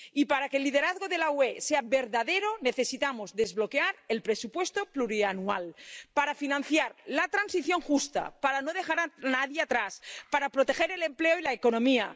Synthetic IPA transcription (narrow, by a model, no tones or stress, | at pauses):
ipaɾakelːið̞eɾaðɣoðe̞laweseaβe̞ɾðaðeɾo̞neθe̞sit̪amozðezβlo̞keaɾe̞lpɾe̞supwe̞st̪o̞pluɾianua̰lpaɾafinãn̟θjaɾlat̪ɾansiθjo̞ŋxust̪a̰paɾano̞ð̞exaɾanaðjeat̪ɾaspaɾapɾo̞t̪e̞xeɾe̞le̞mpleoilaeko̞nõ̞mia